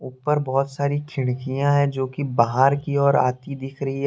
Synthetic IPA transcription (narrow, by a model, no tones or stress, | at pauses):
ʊːpəɾbɔːt̪saːɾikʰɪɽ̃kijãɦɛ̃d͡ʒoːkibaɦaɾkiɔːɾa̰ːt̪id̪ɪkʰɾɐɦiɦɛ